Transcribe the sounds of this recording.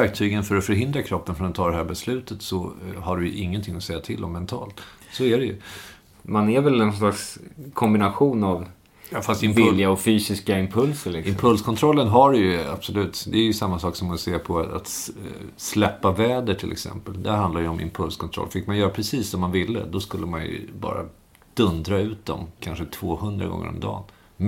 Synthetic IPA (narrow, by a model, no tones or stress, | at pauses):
væɾk̚t̪ʰyːɡənfœɾɔfœɾɦɪnd̪ɾakʰɾɔpːənfɾɔnɛt̪ʰɑːd̪ɛɦæːɾbɛslʉ̟ːt̪ət̪sɔɦaɖɵjɵʔɪŋːənt̪ʰɪŋːɔsɛjːat̪ʰɪld̪ɔ̰mːɛnt̪ʰɑ̰ːlt̪sɔæɖɛjɵ̰ | manæɾvɛlɛnslakskʰɔmbɪnaɧuːnav | jɑːfast̪ɪmvljaɔfyːsɪskaɪmpʰɵlsəɭɪkɪmpʰɵlskʰɔnt̪ʰɾɔlːənɦaɾjɵa̰b̥sɔlʉ̟ːt̪d̪ɛæɾjɵsamːasɑːksɔmaseːɾpʰɔa̰t̪ | slɛpːavɛːd̪əʈʰɪlʔɛ̰ksɛ̰mpəld̪æɾɦand̪laɾjəɔmʔɪ̰mpʰɵlskʰɔnt̪ʰɾɔ̰lːfɪkmanjœːɾapʰɾɛsiːsːɔmːanvɪlːə̰d̪ɔskɵlːəmanjɵ̰bɑ̰ːɾa̰ | d̪̥ɵnd̪ɾaʉ̟ːt̪̚d̪ɔ̰mkʰanʂət̪ʰvoːhɵnd̪ɾa̰ɡɔ̰ŋːə̰ɾɔ̰md̪ɑ̰ːn